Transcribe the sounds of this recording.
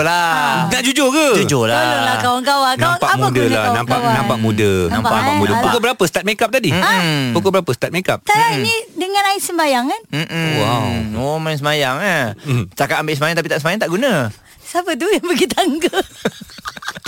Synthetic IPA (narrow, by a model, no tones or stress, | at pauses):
lanaʔd͡ʒud͡ʒoɡəd͡ʒud͡ʒolaaəlakawaŋkawankãwaŋpaamuadəlanãmpawanãmpaʔmudənamapamudəpukobəɾapəsə̥t̪at̪̚mekap̚t̪adiapukobəɾapəsət̪at̪̚mẽkap̚t̪alainidəŋãnaɪsəmbajaŋkanm̩m̩wawomajaŋs̬əmajaŋast͡ʃt̪akat̪ambeʔsəmajaŋt̪apit̪aʔsəmajaŋt̪aʔɡunə | sapət̪̬ujaŋbəɡit̪aŋkə